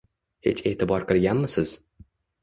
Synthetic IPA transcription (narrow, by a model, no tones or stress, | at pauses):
hḛt͡ʃe̞ːt̪ʰɪbɒɾqʰɨlˠɡʲanmɪsɪz̥